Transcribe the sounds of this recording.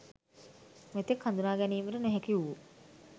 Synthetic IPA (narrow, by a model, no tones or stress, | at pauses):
met̪ekhand̪unaːɡɛniːməɾəneɦekiuʋu